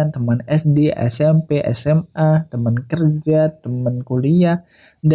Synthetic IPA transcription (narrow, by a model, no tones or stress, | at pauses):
ant̪əmənɛsdeʔɛ̰sɛmpeʔɛ̰sɛmat̪əmənkərd͡ʒat̪əmənkulia | d